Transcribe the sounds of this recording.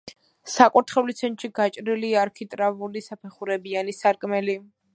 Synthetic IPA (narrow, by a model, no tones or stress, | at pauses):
sakʼuɾt̪ʰχɛulit̪sʰɛnt̪ʼʃiɡat͡ʃʼɾiliaːɾkʰit̪ʼɾavulisapʰɛχuɾɛbianisaɾkʼmɛli